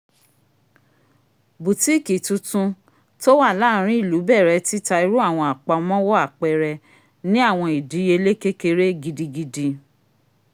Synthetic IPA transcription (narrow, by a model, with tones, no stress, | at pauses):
bu˨ti˦˨ki˨tu˧tũ˧ | to˦wa˦˨la˦˨˦ɾ̃ĩ˦i˦˨lu˨˦bɛ˦˨ɾɛ˧˦ti˦ta˧i˧ɾu˦a˦˨w̃ɔ̃˧a˨k͡pa˧mɔ̃˦wɔ˦a˦˨k͡pɛ˧˨ɾɛ˧ | nĩ˦a˦˨w̃ɔ̃˧i˨di˨˦je˧˦le˦ke˦ke˧ɾe˦ɡi˧di˧ɡi˧di˧